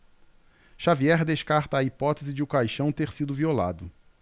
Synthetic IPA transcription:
ʃaviɛɾd̪eʃkaɾt̪ɐːipɔt̪ezɪd͡ʒɪʊkajʃɐ̃w̃t̪eɾsid̪ʊviola̰d̪ʊ

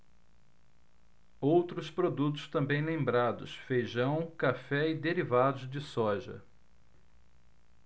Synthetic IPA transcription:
owt̪ɾʊspɾod̪ut̪ʊ̥st̪ɐ̃mbẽj̃lẽmbɾad̪ʊsfejʒɐ̃w̃kafɛɪd̪eɾivad̪ʊzd͡ʒɪsɔʒɐ̰

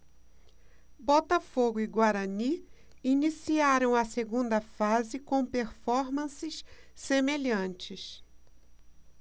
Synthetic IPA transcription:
bɔt̪ɐfoɡʊiɡwaɾɐni | inisiaɾɐ̃w̃ɐseɡũnd̪ɐfazɪkõw̃peɾfɔɾmɐ̃sɪssemeʎɐ̃nt͡ʃɪs

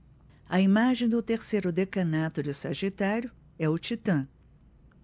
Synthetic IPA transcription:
ɐimaʒẽj̃d̪ʊt̪eɾsejɾʊd̪ekɐnat̪ʊd͡ʒɪsɐʒit̪aɾjʊ | ɛʊt͡ʃit̪ɐ̃

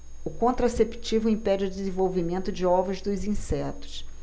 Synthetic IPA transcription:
ʊkõnt̪ɾasept͡ʃivʊẽpɛd͡ʒʊd̪ɪzẽvowvimẽnt̪ʊd͡ʒɪɔvɾɐzd̪ʊzĩsɛt̪ʊ̥s

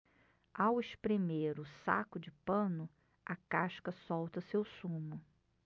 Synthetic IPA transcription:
aweʃpɾemeɾʊsa̰kʊd͡ʒɪpɐ̃nʊ | ɐkaʃkɐsɔwt̪ɐsewsũmʊ

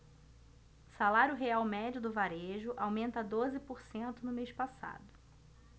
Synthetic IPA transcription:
salaɾjʊɦeawmɛd͡ʒʊd̪ʊvaɾeʒʊʔawmẽnt̪ɐd̪ozɪpoɾsẽnt̪ʊnʊmeʃpasa̰d̪ʊ

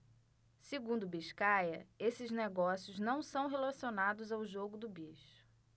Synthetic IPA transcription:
seɡũnd̪ʊbiʃkajɐ̰esɪzneɡɔsijʊznɐ̃w̃sɐ̃w̃ɦelasionad̪ʊzawʒoɡʊd̪ʊbiʃʊ̥

